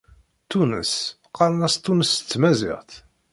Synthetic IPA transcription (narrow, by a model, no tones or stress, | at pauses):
t̪ːunə̰s | qɑɾˤnæst̪ːunəst͡sːmæzɪ̰ʁθ